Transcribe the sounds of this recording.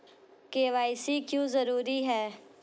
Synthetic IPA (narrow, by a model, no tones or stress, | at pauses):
keːʋaːɪsikjõːzəɾuːɾiɦɛː